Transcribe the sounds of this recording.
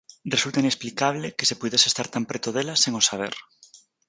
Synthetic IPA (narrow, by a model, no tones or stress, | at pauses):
rresult̪ainesplikaβ̞leke̥sepuðesest̪aɾt̪ampɾet̪oðelaseŋosaβ̞eɾ